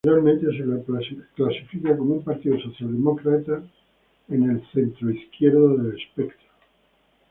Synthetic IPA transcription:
ɾalmẽnt̪es̬elaklasifikako̞moumpaɾt̪iðosoθjald̪emokɾat̪a | ene̞lθe̞nt̪ɾoiθkjeɾðoðelespekt̪ɾo

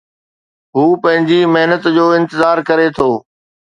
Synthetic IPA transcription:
ɦuːpɐ̃ɦɪ̃ɲd͡ʑimɐɦnət̪d͡ʑoːɪ̃nt̪ɪzaːɾkɐɾet̪ʰoː

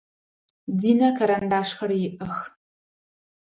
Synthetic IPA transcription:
diːnɐkʰɐɾandaːʂxɐrjɪʔɐx

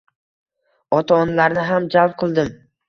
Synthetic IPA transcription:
ɒt̪ʰaːnlaɾnɪɦamd͡ʒalˠp̚qʰɨlˠd̪ɪm

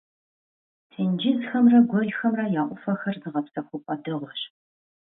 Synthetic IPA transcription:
tʰɨnd͡ʒɪzxɐmrɐɡʷɔjxɐmrɐjaːʔʷʼʊfɐxɐrzɨʁɐpsɐxʷʊpʼɐdɨʁʷɔɕ

